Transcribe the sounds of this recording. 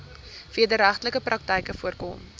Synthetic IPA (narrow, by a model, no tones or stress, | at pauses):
fiədəɾæχtləkəprʔɐk̚təjkəfuərkɔ̰m